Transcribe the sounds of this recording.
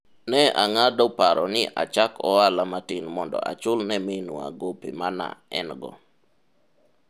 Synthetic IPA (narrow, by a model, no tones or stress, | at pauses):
nɛaŋadɔpaɾɔnɪʔa̰t͡ʃakɔalamatɪnmɔndɔ̰a̰t͡ʃʊlnɛmɪnua̰ɡopimana̰ɛ̰nɡɔ̰